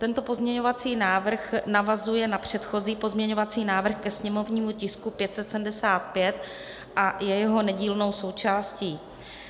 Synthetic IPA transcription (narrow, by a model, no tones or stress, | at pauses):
t̪ɛnt̪o̞po̞zmɲɛɲo̞vat͡siːnaːvr̩xnavazujɛnapr̝̥ɛt̪xo̞ziːpo̞zmɲɛɲo̞vat͡siːnaːvr̩xkɛsɲɛmo̞vɲiːmucɪskupjɛt̪sɛt̪sɛmdɛsaːt̪̚pjɛt̪ | ʔajɛjɛɦo̞nɛɟiːlno̞wso̞wt͡ʃaːsciː